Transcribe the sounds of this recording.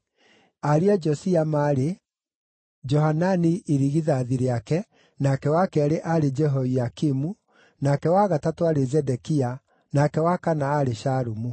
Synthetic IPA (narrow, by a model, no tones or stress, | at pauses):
aɾiad͡ʒɔsiamaɾe | d͡ʒɔɦananiʔiɾiɣiðaðiɾeakɛ | nakɛwakɛaɾeʔaɾed͡ʒɛɦɔiakimu | nakɛwaɣatatoaɾezɛdɛkia | nakɛwakanaːɾeʃaɾumu